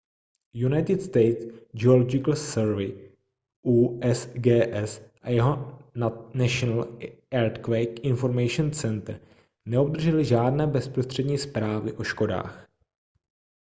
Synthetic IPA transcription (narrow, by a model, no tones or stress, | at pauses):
junajt̪ɪt̪st̪ɛjt̪sd͡ʒɛolod͡ʒɪkl̩sɛɾvɪ | ʔuːʔɛsɡɛːʔɛsʔajɛɦo̞nanaʃonal | ɛɾt̪kvɛjkɪnfo̞ɾmɛjʃont͡sɛnt̪ɾ̩ | nɛob̚d̪r̩ʒɛlɪʒaːdnɛːbɛspɾost̪r̝̥ɛdɲiːspɾaːvɪʔo̞ʃko̞da̰ːx